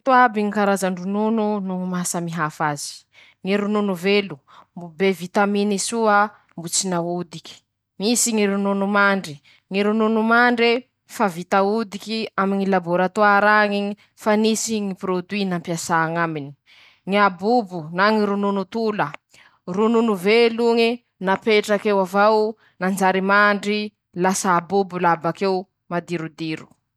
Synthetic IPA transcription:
t̪uabiŋikaɾazaɳɖ͡ʐunununumasəmiɦafazi̥ | ŋiɾununuvelu | mbubevit̪aminisua | mbut͡sinaud̪ikʲi̥ | misiŋiɾununumaɳɖ͡ʐi | ŋiɾununumaɳɖ͡ʐe | favit̪aud̪ikiamiɲilaboɾat̪oaɾaŋiŋi | fanisiŋipɾod̪winampiasaːŋamini̥ | ŋiabubunaŋiɾununut̪ulə | rununuveluŋi | napeʈ͡ʂakewavaw | nand͡zaɾimaɳɖ͡ʐi | lasaːbubulabakew | mad̪iɾud̪iɾu̥

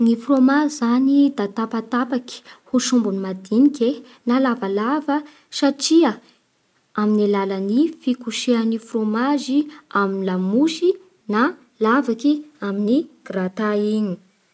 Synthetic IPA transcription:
ŋifromazzanid̪at̪apat̪apaki̥huʃumbunimad̪inikʲe | nalavalavə | saʈ͡ʂiə | aminilalənifikuʃeanifromaziaminilamuʃi | na | lavakiaminiɡ̥rat̪aiɲi̥

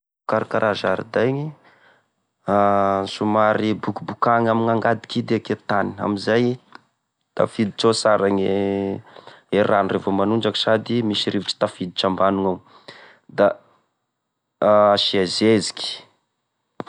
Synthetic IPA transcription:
kaɾikaɾʔazaɾḭd̪ajŋi | sumaɾibukubukaŋamiŋaŋɡad̪i̥kid̪eaket̪ania̰mizaj | t̪a̰fid̪it͡ʃosaɾaŋe | eranurevomanuɳɖ͡ʐaki̥sad̪imisiɾiviʈ͡ʂi̥t̪afid̪it͡ʃambanuŋaw | d̪a | ʃiazezi̥ki̥

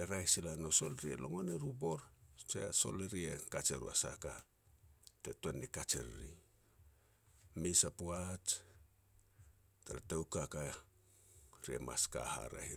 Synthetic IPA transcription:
eɾajsilano̞so̞lɾiḛlo̞ŋo̞neɾubo̞ɾt͡ʃeso̞̰leɾiekat͡ʃeɾṵa̰sa̰ka | tetuenikat͡ʃḛɾɾi | misapuat͡ʃ | taɾatawkaka | ɾiḛma̰ska̰ha̰ɾa̰hi

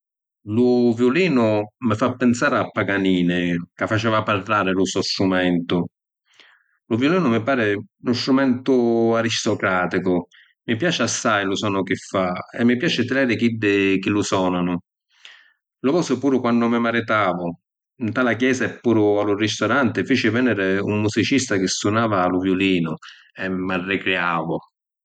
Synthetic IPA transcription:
lʊvjʊliːnʊmɪfapːɪnsaːɾɪapːaɡaniːnɪkafːat͡ʃɛːvaparlaːɾɪlʊsɔsɾumɛnt̪ʊ | lʊvjuliːnʊmɪpaːɾɪnʊst̪ɾumɛnt̪ʊaɾist̪ɔkɾaːt̪ikʊ | mɪpjaːt͡ʃɪasːajlʊsɔːnʊkɪfːaɛ̰mːɪpjaːt͡ʃɪt̪ɪlɛːɾɪkid̪ːɪk̟ɪlʊsɔːnanʊ | lʊvɔːsʊpuːɾʊkwanːʊmɪmaɾɪt̪aːvʊ | int̪aːlakjɛːsaɛpːuːɾʊalʊrist̪ɔɾant̪ɪfiːt͡ʃɪvɛnɛɾɪumːusit͡ʃist̪ak̟ɪsːunaːvaːlʊvjʊliːnʊ | ɛmːarːɪkɾeaːvʊ

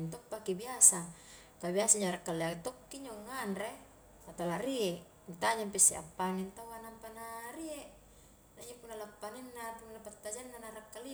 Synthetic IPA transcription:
nt̪ɔpːakibiasa | kabiasaɲaɾakːaliat̪okːiɲoŋːanre | sat̪alaɾieʔ | it̪aɲampɛseʔa̰pːaŋint̪awanampanaɾieʔ | naid͡ʒopunːalapːaninːat̪unːapat̪ːad͡ʒanːanaɾakːali

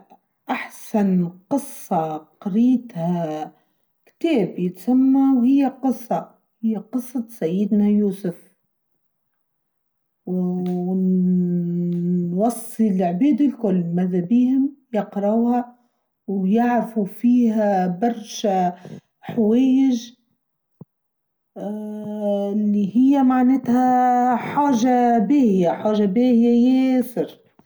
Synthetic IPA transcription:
ʔaħsanqɨsˤːɑqɑɾiːt̪ha | kt̪eːbjɪt̪samːawhɪjːaqɨsˤːɑ | hɪjːaqɨsˤːɑsajːɪd̪najuːsʊf | w | wɑsˤːilʕbiːd̪ɪlkʊlːmaðabiːhɪmjɑqɾˤɑwha | wjaʕafufiːhabɑɾˤʃa | ħaweːjɪʒ | lːihɪjːamaʕneːt̪haħaːʒabeːhɪjaħaːʒabeːhjajesɪɾ

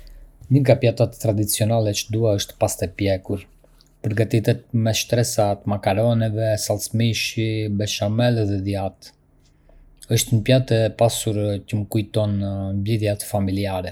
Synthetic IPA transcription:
nəŋɡapjat̪at̪ːɾad̪it͡siɔnalɛt͡ʃəd̪uaəʃt̪past̪ɛpjɛkuɾ | pəɾɡat̪it̪ɛt̪̚mɛʃt̪ɾɛsat̪makaɾɔnɛvɛsalsmiʃibɛʃamɛlðɛðjat̪ | əʃt̪nəpjat̪ɛpasuɾcəməkujt̪ɔnmbliðjat̪familiaɾɛ

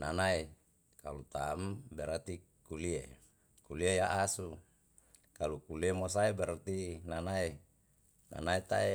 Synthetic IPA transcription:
nanae | kalut̪ambeɾat̪i | kulie | kuliejaʔasu | kalukuliemos̬aebeɾat̪inanae | na̰naet̪ae

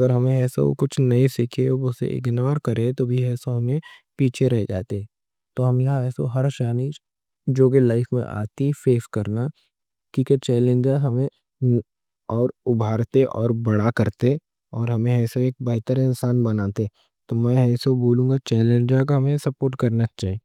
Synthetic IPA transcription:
ɐɡəɾɦɐmẽɛːso̰kʊt͡ʃʰnɐisikʰeʊsḛʔɪ̰ɡnəʋəɾkɐɾẽt̪obʱiɛːsoɦɐmẽpiːt͡ʃʰeɾɛɦd͡ʒa̰ːt̪eɦɛ | t̪oːɦɐmjɐɦãɛːso̰ɦɐɾʃaːni | d͡ʒoːkelaɪfmḛ̃ʔa̰ːt̪ifeːskɐɾna | kĩːket͡ʃɛːlẽnd͡ʒaɦɐmẽ | ɔːɾʊbʱaːɾt̪eʔɔ̰ːɾbɐɽ̃akɐɾt̪e | ɔːɾɦɐmẽɦɛːsoeːk̚bɛɦt̪əɾɪ̃nsaːnbɐnaːt̪e | t̪omɛ̃ɛːsoboːlũːŋɡat͡ʃɛːlẽnd͡ʒakoɦɐmẽsɐpoːɾʈkɐɾnat͡ʃaːɦi

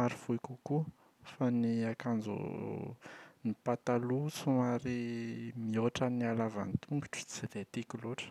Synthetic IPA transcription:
aɾifuikuku | faniakand͡zṵ | nipat̪alut͡sumaɾimioʈ͡ʂanialava̰nit̪ʰuŋɡi̥ʈ͡ʂu̥t͡silet̪ikuloʈ͡ʂə̥

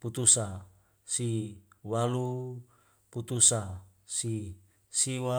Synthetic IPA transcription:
put̪usa | siwalu | put̪usa | si | siwa

